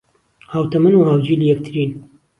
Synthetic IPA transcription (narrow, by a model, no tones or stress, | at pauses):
haːwt̪ɐmɨnuhaːwd͡ʒiːlijɛk̚t̪ʰɨɾiːn